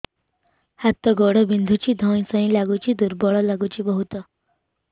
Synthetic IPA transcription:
hat̪ːɔɡɔɽəbind̪ʱut͡ɕiːd̪ʱɔ̃jsə̃ĩlaɡut͡ɕiːd̪uɾbɔɭɔlaɡut͡ɕiːbəɦut̪ə

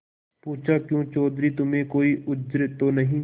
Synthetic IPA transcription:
puːt͡ʃʰakjũːt͡ʃɔːd̪ɾit̪ʊmẽkoːiʔʊd͡ʒɾɪt̪onɐɦĩː

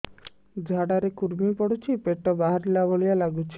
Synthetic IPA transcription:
d͡ʒʱaɽaɾekuɾmipɔɽut͡ʃʰipeʈɔbaɦaɾilabɔɭijalaɡut͡ʃʰi̥

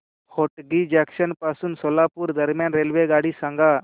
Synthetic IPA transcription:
hoʈɡid͡ʑakʃənpasuːnsolapuɾd̪əɾmjanɾelʋeɡaɽisãŋɡa

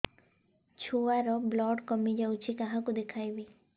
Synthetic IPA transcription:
t͡ʃʰoaɾɔblɔɖkɔmid͡ʒawt͡ʃʰikaɦãkud̪ekʰajbi

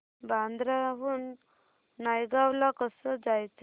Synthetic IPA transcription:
band̪ɾaɦuːnː | ajɡawlakəsəd͡zajt͡sa

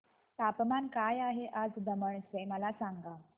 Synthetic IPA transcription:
t̪apmankajaɦeʔad͡zd̪əməɳseməlasaŋɡa

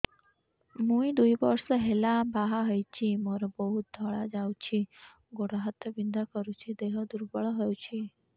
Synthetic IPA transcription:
mũĩd̪uibəɾsəɦelabaɦaɦəjt͡ʃʰimɔɾɔbəɦut̪̚d̪ʱəɭad͡ʒawt͡ʃʰi | ɡoɽaɦət̪ʰːəbind̪akəɾut͡ʃʰid̪eɦəd̪uɾbəɭɦəjut͡ʃʰi

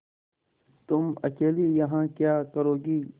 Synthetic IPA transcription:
t̪ʊmɐ̰keːlijɐɦãːkjaːkɐɾoːɡiː

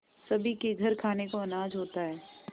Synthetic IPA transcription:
sɐbʱikeɡʱɐɾkʰaːnekoɐnaːd͡ʒɦoːt̪aɦɛː

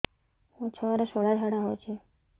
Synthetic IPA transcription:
ot͡ʃʰəʋaɾaʃoɽad͡ʒʱaɽaɦojt͡ʃʰe

